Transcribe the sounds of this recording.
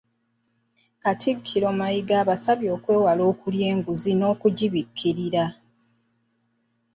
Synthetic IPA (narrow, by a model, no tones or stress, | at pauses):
katʰikʰːiɾo̞majiɡaːβasaβjo̞ːkwe̞ːwalo̞ːkulje̞ːŋɡuzino̞ːkuɟiβikʰːiɾiɾa